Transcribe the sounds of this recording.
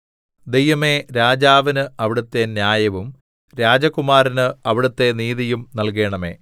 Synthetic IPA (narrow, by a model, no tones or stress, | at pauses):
d̪e̞jʋɐmeɾaːd͡ʑaːʋɐnɨɐʋiɽut̪ːe̞njaːjɐʋum | ɾaːd͡ʑɐkːumaːɾinɨɐʋiɽut̪ːe̞niːðijumnɐlk̬e̞ːɳɐme̞̰ː